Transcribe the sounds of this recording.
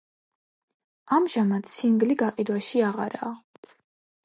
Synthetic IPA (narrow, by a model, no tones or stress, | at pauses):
amʒamat̪ʰsʰiŋɡliɡaqʼid̪waʃiaʁa̰ɾa̰ː